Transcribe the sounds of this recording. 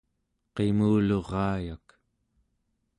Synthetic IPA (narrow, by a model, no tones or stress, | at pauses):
qemuːlo̞ʁɑːjak